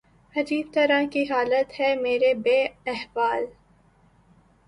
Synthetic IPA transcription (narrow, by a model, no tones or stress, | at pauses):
ɐd͡ʒiːb̚t̪ɐɾãkiɦaːlət̪hɛmeːɾebeːɛɦʋaːl